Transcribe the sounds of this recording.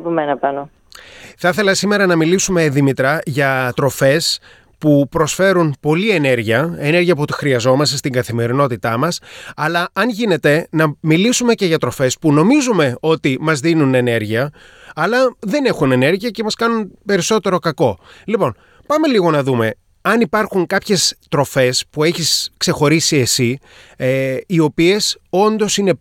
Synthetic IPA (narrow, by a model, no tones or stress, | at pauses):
pomenɐpɐno | θɐθe̞lɐsime̞ɾɐnɐmilisume̞ðimit̪ɾɐʝɐt̪ɾo̞fe̞s | pupɾosfe̞ɾunpo̞lie̞ne̞ɾʝiɐe̞ne̞ɾʝiɐp̬uot̪i̥xɾiɐzo̞mɐst̪est̪iŋɡɐθime̞ɾino̞t̪it̪ɐmɐsɐlɐɐnʝine̞t̪e̞nɐmilisume̞ce̞ʝɐt̪ɾo̞fe̞spuno̞mizume̞o̞t̪imɐzðinune̞ne̞ɾʝiɐ | ɐlɐðe̞ne̞xune̞ne̞ɾʝiɐce̞mɐskɐnunpe̞ɾiso̞t̪e̞ɾo̞kɐko̞lipo̞n | pɐme̞liɣo̞nɐðume̞ | ɐnipɐɾxuŋkɐpçe̞st̪ɾo̞fe̞spue̞çiskse̞xo̞ɾisie̞si | io̞pie̞so̞nd̪o̞sine̞